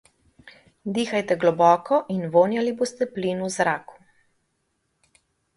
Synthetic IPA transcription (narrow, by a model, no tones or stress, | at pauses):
d̪iːxajt̪ɛɡlɔbɔːkɔʔinʋoːnjaliboːst̪ɛpliːnuzɾaːku̥